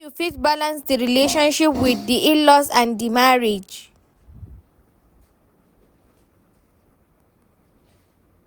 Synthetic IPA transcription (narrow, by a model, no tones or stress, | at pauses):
ufitbalãnsdiɹileʃɔ̃nʃipwiθdiʔĩlɔsãndimaɹed͡ʒ